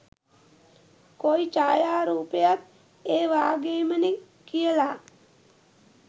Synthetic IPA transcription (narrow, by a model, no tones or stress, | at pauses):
koit͡ʃaːjaːɾuːpejat̪ | eːʋaːɡeːməneŋ | kijəlaː